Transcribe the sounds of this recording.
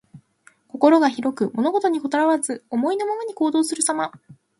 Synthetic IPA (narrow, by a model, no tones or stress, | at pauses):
ko̞ko̞ɾo̞ɡaçiɾo̞kɯ̟mo̞no̞ɡo̞t̪o̞ɲ̟iko̞t̪oɾaβazɨomo̞ino̞monoɲ̟iko̞ːd̪o̞ːsɨɾɯ̟sama